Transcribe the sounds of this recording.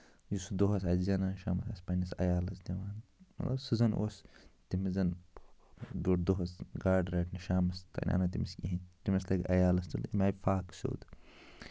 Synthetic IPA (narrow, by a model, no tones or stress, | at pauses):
jisud̪oɦɐsɐzɐnɐʃaːmɐsɐspɐnɐsɐ̰jaːlɐsd̪ʲɐʋaːnmɐ̰lɐbsɨzɐnʔo̰ːst̪imizɐn | d̪oʈd̪oɦɐsɡaːɖɾaːʈʰniʃaːmɐst̪ɐ̰nʲʔa̰ːnɐt̪imiskiɦint̪imislɐɡɐ̰jaːlɐst̪ulimʲaːjfaːkso̰ːd̪